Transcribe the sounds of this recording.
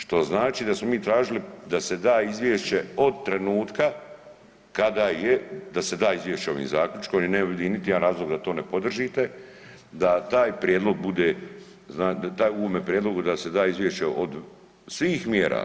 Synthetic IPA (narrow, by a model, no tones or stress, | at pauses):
ʃt̪o̞znaːt͡ʃiːd̪asmo̞miːt̪ɾaːʒilid̪ase̞d̪aːizʋjeʃt͡ʃe̞o̞d̪̚t̪ɾe̞nuːt̪ka | kad̪aːjed̪ase̞d̪aːizʋʲjeʃt͡ɕeo̞ʋḭːmzaːkʎʲut͡ʃkomjeneobjd̪init̪ijeanɾaːzlˠo̞ɡd̪at̪o̞ːne̞po̞d̪r̩ʒit̪e̞ | d̪at̪aːjpɾʲjed̪lo̞ɡ̚bud̪e | znaːd̪at̪aːjuomepɾjed̪loɡud̪ase̞d̪aːizʋjeʃt͡ɕeʔo̰d̪ | sʋiːxmjeːɾa̰ː